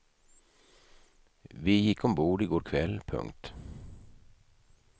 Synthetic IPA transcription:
ʋiːjɪkɔmbuːɖiːɡoːɾkʰʋɛlpʰɵ̰ŋt̪

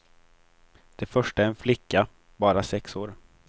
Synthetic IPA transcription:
d̪̥ɛfœʂʈaɛɾɛnflɪkːa | bɑːɾasɛksoːɾ

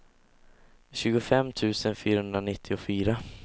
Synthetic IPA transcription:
ɕʉ̟ːɡʊfɛmːt̪ʰʉ̟ːsənfyːɾahɵnd̪ɾanɪt̪ʰːɪʊfyːɾa

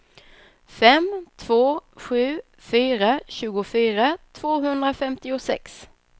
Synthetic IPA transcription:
fɛmt̪ʰv̥oːɧʉ̟ː | fyːɾaɕʉ̟ːɡʊfyːɾat̪ʰv̥oːɦɵnd̪ɾafɛmt̪ɪʊsɛ̰ks

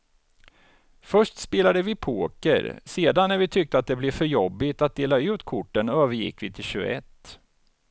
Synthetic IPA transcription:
fœʂʈspeːlad̪əvɪpʰoːkə̰ɾseːd̪anːæɾvɪt̪ʰʏk̚t̪əat̪̚d̪ɛblɛvfœɾjɔbːɪt̪at̪̚d̪eːlaʉ̟ːt̪kʰʊʈːənøːvəɾjɪ̰kːvɪt̪ʰɪlɕʉɡə̰ɛt̪ː

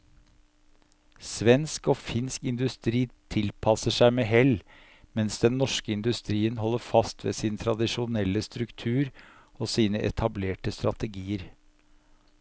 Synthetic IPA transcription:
sʋɛnskoːfɪnskɪnd̪ʉst̪ɾiːt̪ʰɪlpʰɑsəʂæɪmeːɦɛl | mɛnsd̪ɛnːɔʂkəɪnd̪ʉst̪ɾiːənɦɔlːəɾfɑst̪ʋḛːsɪnt̪ʰɾɑd̪ɪʂʊnɛlːəst̪ɾʉkt̪ʰʉːɾ | oːsiːnəʔɛ̰t̪ʰɑbleːʈəst̪ɾɑt̪əɡiːəɾ

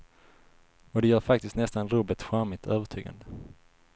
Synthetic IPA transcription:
ɔd̪ɛjœːɾfak̚t̪ɪst̪nɛst̪anɾuːbət̪ɧamɪt̪ʰøːvəʈʰy̰ːɡa̰nd̪ə

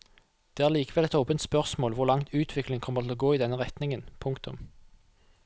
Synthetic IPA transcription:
d̪̥eːæʁliːkəʋɛlɛt̪oːpənt̪spœʁsmoːlʋʊʁlɑŋt̪ʰʉːt̪ʰʋɪklɪŋkʰɔmːət̪ʰɪloːɡoːiːd̪ɛnːəʁɛt̪nɪŋənpʰʊŋkt̪ʰʊ̰m

